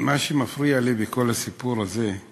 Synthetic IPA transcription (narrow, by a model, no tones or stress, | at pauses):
maʃemafʁialibeko̞lasipuɾaze